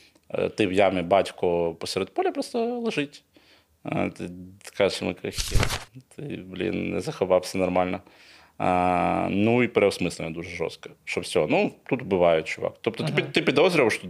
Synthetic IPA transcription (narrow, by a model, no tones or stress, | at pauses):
t̪ɪwjamʲɪbɑtʲkʊpɔsʲeɾɛd̪̚pɔlʲipɾɔst̪ɐlˠɐʒɪtʲ | t̪ɪkaʒɪsmɪkɐxʲḭt̪ʰɪblʲḭnnɛ̰zɐxɐʋɑwsʲɐnɐrmalʲnɐ | nuipɛɾɛɔwsmɪslʲɪnʲɐd̪uʐɛʐɔ̰st̪̚kɐ̥ʃɔbsʲɔɦɔnut̪ut̪bɨʋɑjɛt͡ʃʊʋa̰kt̪ɔpt̪ɔt̪ɪt̪ɪpʲid̪ɔzɾʲɪʋʂt̪